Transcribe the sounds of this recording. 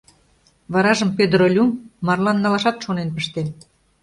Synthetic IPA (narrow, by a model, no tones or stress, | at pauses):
βɑɾɑʒəmpʲød̪ɾolʲumːɑrlɑnːɑlɑʃɑt̪ʃonenpə̆ʃt̪en